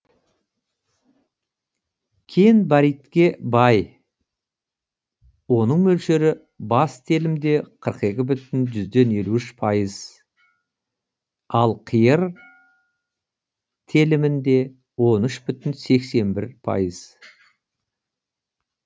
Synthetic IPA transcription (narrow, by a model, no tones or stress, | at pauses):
kʲʰejnbɑɾijt̪kʲe̞bɑj | wo̞nəɴmɵlʃe̞ɾɪ | bɑst̪ʰe̞lɪmd̪e̞qʰəɾqe̞kʲɪbʏt̪ɪnʒʏzd̪e̞ne̞luʏʃpʰɑjəz̥ | ɑlˠqʰijəɾ | t̪ʰe̞lɪmɪnd̪e̞ | wo̞nʏʃbʏt̪ɪnse̞kse̞nbɪɾpʰɑ̰jəz̥